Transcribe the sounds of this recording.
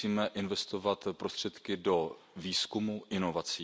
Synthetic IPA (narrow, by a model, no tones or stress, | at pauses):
iːmɛʔɪnvɛst̪o̞vat̪pɾost̪r̝̥ɛt̪kɪdo̞viːskumuʔɪno̞vat͡siː